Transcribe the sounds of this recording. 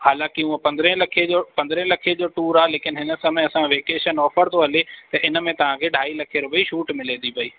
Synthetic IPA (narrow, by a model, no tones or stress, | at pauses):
haːlãːkɪuə̃pɐ̃nd̪ɾẽlɐkʰed͡ʑopɐ̃nd̪ɾẽlɐkʰed͡ʑoːʈuːɾaːleːkɪnɦɪnə̆sɐmẽɐsãʋeːkeːʃənɔːfəɾt̪ʰoɦɐlet̪ɐʔɪnə̆mẽt̪ɐʋ̤ãkʰeːɖʱaːilɐkʰeːɾʊbɐiʃuːʈmɪleːd̪ipɐiː